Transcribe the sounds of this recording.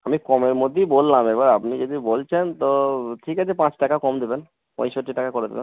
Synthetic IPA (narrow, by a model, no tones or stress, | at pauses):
amikɔmeɾmod̪ʱːebolːamebaɾapnid͡ʑod̪ibolt͡ɕʰent̪oʈʰikat͡ɕʰepãt͡ɕʈakakɔmd̪eben | pɔ̰̃jʃoʈːiʈakakoɾed̪ḛben